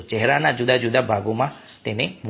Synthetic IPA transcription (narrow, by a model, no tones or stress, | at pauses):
t͡ʃɛɦɾanãd͡ʒud̪ad͡ʒud̪abʱaɡomã | t̪ɛnẽbʱ